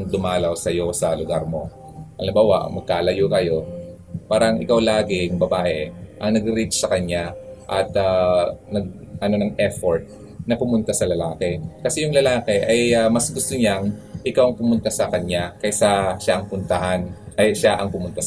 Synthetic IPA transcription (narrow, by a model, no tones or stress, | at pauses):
ŋd̪ʊmaːlɐwsɐjo̞sɐlʊɡaɾmo̞ | ʔɐŋlɪmbaːwa̰ʔɐ̰mɐɡ̚kaːlɐjokɐjo̞ | paːɾɐŋʔɪ̰kawlaːɡɪŋbɐbaːhɛʔɐŋnɐɡɾit͡ʃsɐkɐɲaʔɐt̪anɐɡ̚ | ʔɐno̞nɐŋʔɛfoɹt̪̚ | nɐpʊmʊnt̪asɐlɐlaːkɛkɐsɛjʊŋlɐlaːkɛʔɐjamɐsɡʊst̪oɲaŋʔɪkawɐŋpʊmʊnt̪asɐkɐɲakɐjsɐʃaʔɐŋpʊnt̪ɐhanʔɐjʃaʔɐŋpʊmʊnt̪as